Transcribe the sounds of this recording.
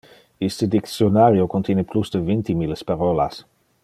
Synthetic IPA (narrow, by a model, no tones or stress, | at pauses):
ist̪əd̪ik̪sjonaːɾjokont̪jɛːneplusd̪əvint̪imilspaɾɔla̰s